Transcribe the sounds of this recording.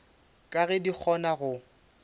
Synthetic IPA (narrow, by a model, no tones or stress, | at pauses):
kʼaɣɛdik͡xʰɔnaɣʊ